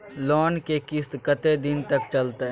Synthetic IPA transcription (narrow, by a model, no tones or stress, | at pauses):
lɔːnkekɪst̪kət̪ed̪ɪnt̪ɐkt͡ʃɐlt̪e